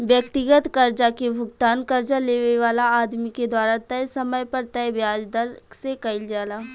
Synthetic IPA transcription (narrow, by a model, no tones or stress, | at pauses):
ʋjɐk̚t̪ɪɡət̪kɐɾd͡ʒakebʱʊɡ̚t̪aːnkɐɾd͡ʒaleːʋeʋaːlaaːd̪miked̪waːɾat̪ɐjsɐməjpɐɾt̪ɐbjaːd͡ʒd̪əɾsekɐɪld͡ʒaːlaː